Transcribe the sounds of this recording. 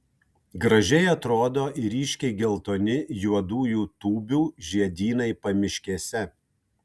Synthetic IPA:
ɡɾɐʒʲɛɪɐt̪ɾoːd̪oːʔɪɾʲiːʃʲkʲɛɪɡʲɛlˠt̪oːnʲɪjuɔd̪uːjuːt̪uːbʲuːʒʲiɛd̪ʲiːnɐɪpɐmʲɪʃʲkʲiɛsʲɛ

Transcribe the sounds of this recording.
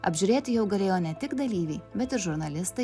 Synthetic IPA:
ɐ̰bʲʒʲʊɾʲeːt̪ʲɪjɛʊɡɐlʲeːjoːnʲɛt̪ʲɪɡd̪ɐlʲiːʋʲɛɪbʲɛt̪ɪɾʒʊɾnɐlʲɪst̪ɐɪ

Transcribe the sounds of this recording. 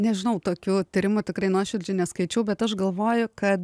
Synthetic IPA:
nʲɛʒʲɪnɐʊt̪oːkʲuːt̪ʲiɾʲɪmʊt̪ʲɪkrɐɪnoːʃʲɪɾʲd͡ʒʲʊnʲɛskɐɪt͡ʃʲɛʊbʲɛt̪ɐʃɡɐlˠʋoːjʊkɐt̪

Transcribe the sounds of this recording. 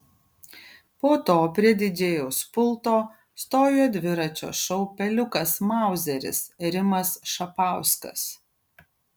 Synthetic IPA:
poːt̪oːpʲɾʲiɛd̪ʲɪd͡ʒʲeːjoːspʊlˠt̪oː | st̪oːjoːd̪ʲʋʲɪɾɐt͡ʃʲo̰ːʃɐʊpʲɛlʲʊkɐsmɑˑʊzʲɛɾʲɪ̰sɾʲɪmɐsʃɐpɑˑʊskɐ̰s

